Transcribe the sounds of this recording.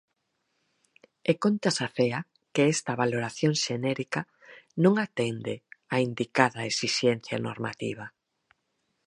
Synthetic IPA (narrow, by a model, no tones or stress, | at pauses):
ekont̪asaθea | keɛst̪ɐβaloɾaθjoŋʃenɛɾika | nõŋat̪ɛnd̪ɪaind̪ikaðɐesiʃɛn̟θja̰no̰ɾma̰t̪ḭβɐ